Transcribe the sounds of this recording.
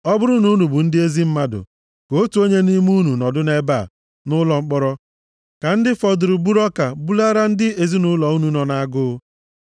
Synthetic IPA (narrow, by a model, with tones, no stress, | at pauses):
ɔ˦bʊ˦ɾʊ˦nu˦nu˨bʊ˨n̩˦dɪ˦e˦zi˦m̩˦ma˦dʊ̰˨ | ko˦tu˨˦o˦ɲe˦ni˦m˦u˦nu˨nɔ˨dʊ˦ne˦ba˨ | nʊ˦lɔ˨ŋ͡m̩˦k͡pɔ˦ɾɔ˦ | ka˨n̩˦dɪ˦fɔ˨dʊ˨ɾʊ˨bu˦ɾɔ˦ka˨bu˦la˦ɾa˦n̩˦dɪ˦e˨zi˦nʊ˦lɔ˨u˦nu˨nɔ˨na˦a˦ɡʊ˦